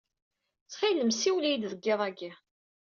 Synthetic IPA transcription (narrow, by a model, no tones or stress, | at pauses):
t͡sːχiləmsiwlijd̪ðəɡːeðˤæɡi